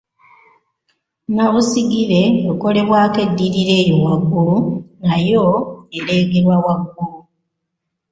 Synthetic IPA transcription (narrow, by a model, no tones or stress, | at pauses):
naβusiɡiɾe̞βoko̞le̞βwake̞dːiɾiɾe̞ːjowaɡːunajoeɾe̞ːɡeɾwawaɡːu